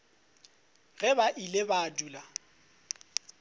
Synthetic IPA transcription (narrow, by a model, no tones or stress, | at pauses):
ɣɛbaʔilebaːduːla